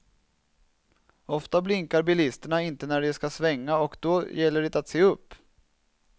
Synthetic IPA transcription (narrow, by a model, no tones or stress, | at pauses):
ɔft̪ablɪŋkaɾbɪlɪst̪əɳaɪnt̪ənæɖɪskasvɛŋːaɔkd̪ɔjɛlːəɖɪt̪at̪seːɵpː